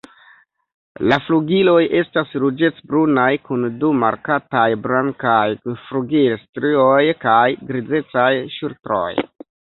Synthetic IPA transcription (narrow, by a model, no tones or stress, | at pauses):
lafluɡilo̞je̞stasɾud͡ʒe̞t͡sbɾunajkunduma̰ɾkatajbɾaŋkajfɾuɡilstɾiojkajɡɾid͡ze̞t͡sajʃuɾtɾo̞̰j